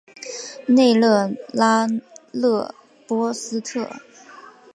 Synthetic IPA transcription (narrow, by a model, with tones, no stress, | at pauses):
ne˥˧ɪlɤ˥˩la˥lɤ˥˩ | pwɔ˥sɹ̩˥t̪ʰɤ˥˩